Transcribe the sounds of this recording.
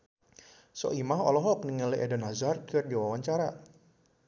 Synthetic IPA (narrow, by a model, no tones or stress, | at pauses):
sɔ̰ʔimaɦɔ̰lɔɦɔk̚niŋalɛʔɛdanazarkɨrdiwawaɲt͡ʃaɾa